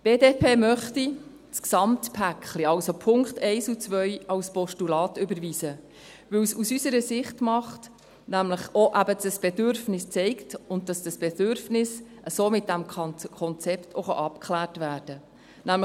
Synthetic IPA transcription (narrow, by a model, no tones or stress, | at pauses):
b̥eːdeːpʰeːmœχti | t͡sksɑmtpʰækχliɑwsopʰʊŋktɛɪsut͡sʋœjɑwspɔʃtulɑːtʏbəɾviːsə | ʋɵwsusysəɾəsɪχtmɑχt | næmləχoʔæbəəsb̥ɛdʏɾfnɪst͡sɛɪktʊnt̚d̥ɑsd̥ɑsb̥ɛdʏɾfnɪsʔəsoːmɪt̚dæmkʰɔnt͡sɛptʰoχɑʔɑpkʰχlæːrtvæːrd̥ə | næmlə